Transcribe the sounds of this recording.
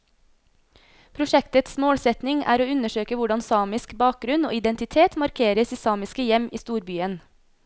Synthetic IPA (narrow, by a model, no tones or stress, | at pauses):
pʰɾʊʃɛkt̪ət̪smoːɽsɛt̪nɪŋæ̰ːɾoːʉnəʃøːkəʋʊɖɑnsɑːmɪskbɑːk̚ɡɾʉno̰ːɪd̪ɛnt̪ɪt̪ʰeːt̪mɑɾkʰeːɾəsiːsɑːmɪskəjɛmʔiːst̪uːɾbyːən